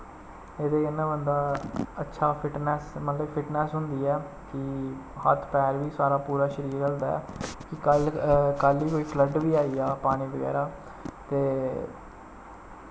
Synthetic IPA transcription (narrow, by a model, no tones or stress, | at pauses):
eːd̪eːənːãːbənd̪aːətːʃʰaːpʰɪʈnɛːsmət̪ləbpʰɪʈnɛːsɦʊnd̪iːɛː | kɪhə̰t̪ʰpɛːɾʋiːsaːɾaːpuːɾaːʃəɾiːɾəld̪aːɛ̰ːkɪkəlkaliːkoːiːpʰləɖʋiːaːiːaːpaːɽ̃iːʋəɡɛ̰ːɾaː | t̪eː